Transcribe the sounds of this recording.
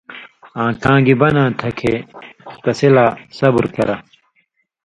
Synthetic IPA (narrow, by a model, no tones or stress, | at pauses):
ãːkãːɡibɐnãːt̪ʰɐkʰet̪ɐsilaːsɐbuɾkɐ̰ɾɐ